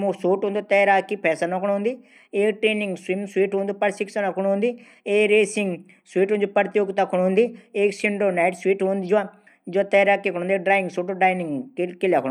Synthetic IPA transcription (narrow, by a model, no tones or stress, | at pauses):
mũsoːʈɦũnd̪ut̪ɐɾaːkːipʰɛːsanõkʰːɽ̃ɦʊ̃nd̪iː | eːkʈɾeːnĩŋɡswimswiːʈɦũːnd̪uːpɐɾsiksɐnakʰuɽɦũnd̪iː | eːɾeːsiŋɡ | sʋiːʈɦuːnd͡ʒupɐɾt̪joːɡt̪akʰuɽ̃ɦũnd̪ieːksiɳɖoːnaːɪʈswiːʈɦũːnd̪id͡ʒa | d͡ʒoat̪ɐjɾaːkːikʰːñũːnd̪eːkɖɾaːɪŋɡsoːʈoɖɾaːjnĩŋɡkɪljakʰː